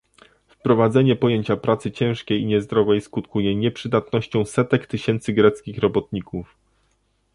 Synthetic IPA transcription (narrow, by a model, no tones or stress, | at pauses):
fpɾɔvad̪zɛɲɛpɔjeɲt͡ɕapɾat̪sɘt͡ɕɛ̃w̃ʂkʲejiɲɛzd̪ɾɔvɛjskut̪kujɛɲɛpʂɘd̪at̪nɔɕt͡ɕɔ̃w̃sɛt̪ɛkt̪ɘɕɛnt̪sɘɡɾɛt̪skʲixɾɔbɔt̪̚ɲikuf